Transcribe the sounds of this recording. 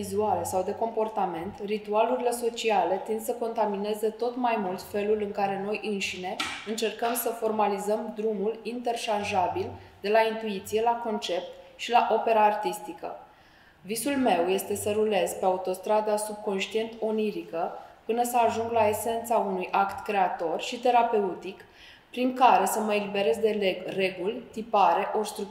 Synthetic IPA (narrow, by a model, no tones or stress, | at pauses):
izualesawd̪e̞ko̞mpo̞rt̪ame̞nt̪rit̪ualuɾile̞so̞t͡ʃiale̞t̪ind̪səko̞nt̪amine̞ze̞t̪o̞t̪majmult̪fe̞lulɨŋkaɾe̞no̞jʔɨnʃine̞ɨnt͡ʃe̞rkəmsəfo̞rmalizəmd̪ɾumulint̪e̞rʃanʒabild̪e̞laint̪uit̪sije̞lako̞nt͡ʃe̞p̚t̪ʃilaʔo̞pe̞ɾaːrt̪ist̪ikə̰ | visulme̞wje̞st̪e̞səɾule̞zpe̞aut̪o̞st̪ɾad̪asub̚ko̞nʃt̪ie̞nt̪o̞niɾikəpɨnəsəaʒuŋɡlae̞se̞nt̪saunujʔakt̪kɾe̞at̪o̞rʃit̪e̞ɾape̞ut̪ik | pɾiŋkaɾe̞səməe̞libe̞ɾe̞zd̪e̞leɡre̞ɡulʲt̪ipaɾe̞ʔo̞rst̪ɾu